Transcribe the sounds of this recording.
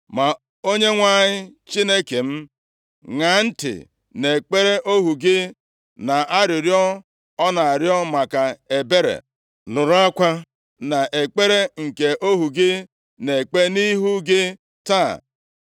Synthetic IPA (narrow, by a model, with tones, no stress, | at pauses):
ma˨ | o˦ɲe˦ŋʷa˦˨ɲɪ˦t͡ʃi˦ne˦ke˨m̩˦ | ŋa˨n̩˦tɪ̰˨ | ne˨k͡pe˦ɾe˦ʔo˦ɦu˨ɡɪ˦ | na˨a˦ɾɪ˨ɾjɔ˦ | ɔ˦na˨a˨ɾjɔ˦ma˨ka˨e˨be˦ɾḛ˨ | nʊ˨ɾʊ˦a˦kʷa˦ | na˨ʔe˨k͡pe˦ɾe˦ŋ̩˨ke˨ʔo˦ɦu˨ɡɪ˦ | ne˨k͡pe˦ni˦ɦu˦ɡɪ˦ | ta˦˨